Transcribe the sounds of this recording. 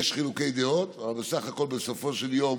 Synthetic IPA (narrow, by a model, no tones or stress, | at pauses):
eʃχiluke̞jd̪eo̞t̪avalbesaχako̞lbeso̞fo̞ʃe̞ljo̞m